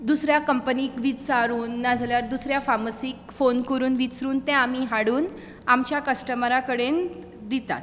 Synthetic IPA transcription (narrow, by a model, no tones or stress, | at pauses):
d̪usɾjakəmpəniːkʋit͡saɾuːnːad͡zʱljaɾd̪usɾjafaməsikfonkəɾuːnʋit͡sɾuːnt̪ɛ̃amiɦaɽuːn | amt͡ɕjakəsʈəməɾakəɽen | d̪it̪a̰t̪